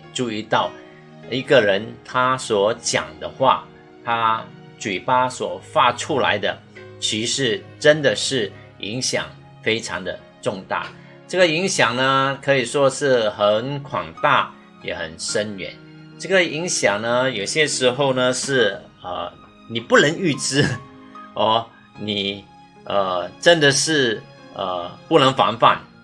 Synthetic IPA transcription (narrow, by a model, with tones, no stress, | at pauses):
ʈ͡ʂu˥˧i˥˧t̪ɑ˥˩ʊ | i˧˥ɡə˨ɻə˧˥nt̪ʰa˥swɔ˧˥t͡ɕjɑ̰˨˩ŋd̪ə˦xwa̰˥˩ | t̪ʰa˥ | t͡ɕwi˨˩pa˥swɔ˨˩fa˥˧ʈ͡ʂʰu˥la̰˧˥ɪd̪ə˧t͡ɕʰi˧˥ʂɻ̩˧˥ʈ͡ʂə˥nd̪ə˨ʂɻ̩˥˩ | ḭ˧˥ŋɕjɑ̰˨˩ŋ | fe˥ɪʈ͡ʂʰɑ˧˥ŋd̪ə˧ | ʈ͡ʂʊ˥˧ŋt̪a̰˥˩ | ʈ͡ʂɤ˥˩ɡə˨i˧˥ŋɕjɑ˨˩ŋnə˦kʰɤ˧˥i˨˩ʂwɔ˥ʂɻ̩˥˩xə˧˥nkʰwɑ̰˨˩ŋt̪a˥˩ | jɛ̰˨˧˩xə̰˨˩nʂə˥nɥɛ̰˧˥˦n | ʈ͡ʂɤ˥˩ɡə˨i˧˥ŋɕjɑ˨˩ŋnə˦jo˨˩ʊɕjɛ˥ʂɻ̩˧˥xo˥˧ʊnə˩ʂɻ̩˥˩ | ə̰˧ | ni˨˩pu˥˩nə˧˥ŋy˥˩ʈ͡ʂɻ̩˥ | ɔ˥˩ | ni˨˩ | ʔə˩ʈ͡ʂə˥nd̪ə˨ʂɻ̩˥˩ | ə̰˩pu˥˩nə˧˥ŋfa̰˧˥nfa̰˥˩n